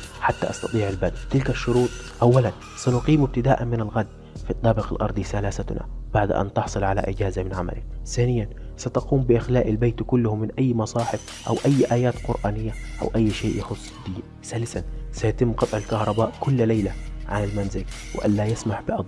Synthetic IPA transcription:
ħat̪ːa̰ʔɑsˤt̪ɑt̪ˤiːʕalbad̪t̪ɪlkaʃːʊɾuːt̪ˤʔawːalan | sanʊqiːmɪb̚t̪ɪd̪aːʔanmɪnalɣad̪ː | fit̪ˤːɑːbɪqalʔɑ̰ɾˤd̪ˤisalaːsat̪na̰b̥aʕd̪ʔa̰nt̪ɪħsˤɨlʕala̰ʔɪɟaːzamɪnʕama̰lɪkθaːnɪjːansat̪aquːmbɪʔɪxlaːʔalbejt̪kʊlːʊhʊmːɪnʔajːmɑsˤɑːħɪf | ʔa̰wʔajːʔaːjaːt̪qʊɾʔaːnɪjːaʔa̰wʔajːʃeːʔjɑxʊsˤːd̪iː | saːlɪsansajat̪ɪmːqɑt̪ˤʕalkahɾˤɑbaːʔkʊlːlajlaʕanalmanzɪlwɪ̰ʔa̰nːaːjasmaħbɪʔɑd̪ˤ

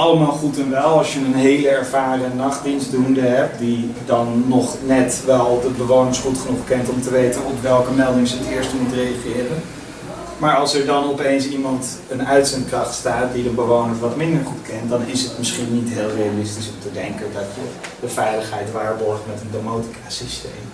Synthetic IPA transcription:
ɑləmaːlˠχutɛnʋɛlˠɑlˠsjənənɦejləɛɹvaːɹrənɑχtdinsdundəɦɛpdidɑnːɔχnɛtʋɛlˠdəbəʋownɪŋsχutχənuχkɛntɔmtəʋejtənɔpʋɛlˠkəmɛlˠdɪŋsəɦətɪːɹstəmutrejaχɪːrən | maːɹɑlˠsɛɹdɑnɔpejnsimɑnt | ənœɥtsɛntkrɑχtstaːt̚didəbəʋownəɹʋɑtmɪndəɹχutkɛntdɑnɪsətmɪsχinːitɦeːlˠrejalɪstisɔmtədɛŋkədɑtəd̥əfɛjləχɦɛjtʋaːɹbɔɹχtmɛtəndomowti̥kʰaːsistḛjm

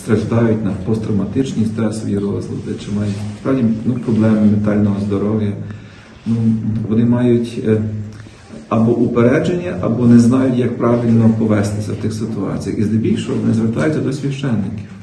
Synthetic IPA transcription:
st̪ɾɐʒd̪ɑjʊtʲnɐpɔst̪ɾɐmɐt̪ɪt͡ʃnʲisʲt̪ɛsʋɔ̰jiɾɔzlˠɐ̰d̪ɪt͡ʃɪmɑjʊtʲspɾɑwdʲinupɾɔblˠɛmɪment̪ɑlʲnɔɦɔzd̪ɔɾɔʋʲjɐ | nuʋɔnɪmɑjʊtʲ | ɐbɔʔupeɾɛd͡ʒenʲːɐʔɐbɔnɛznɑjʊtʲjɐk̚pɾɑʋʲilʲnɔpɔʋɛst̪ɪsʲɐwt̪ɪxsɪt̪ʊɑ̰t͡sʲijɐ̰xizd̪ɛbʲilʲʃɔɔʋɔnɪzʋeɾt̪ɑjʊtʲːɐd̪ɔsʲʋʲiʃt͡ʃɛnːɪkʲɪ̥w

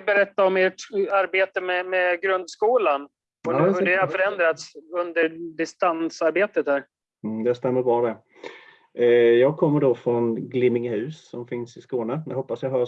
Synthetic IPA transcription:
bɛɾɛt̪ːaɔmeːʈaɾbeːt̪əmɛmɛɡɾɵnd̪skuːlan | ɔd̪afœɾɛnd̪ɾat̪sɵnd̪əɾɖɪst̪ansaɾbeːt̪ət̪hæːɾ̩ | d̪ɛst̪ɛmːəɾbɑːd̪ɛ | jɑːɡ̚kʰɔmːəɖɔfɾɔnɡlɪmːɪŋhʉ̟ːsːɔmfɪnsɪskoːnəa̰hɔpːasjaɦœːɾ

